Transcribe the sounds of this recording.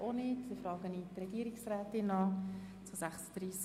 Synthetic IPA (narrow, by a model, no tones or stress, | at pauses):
onɪːtsifrɑːɡəniːt̪rɛɡ̥iːəɾɪksrɛːtɪnːɑː | t͡susæχsd̥̪ɾiːs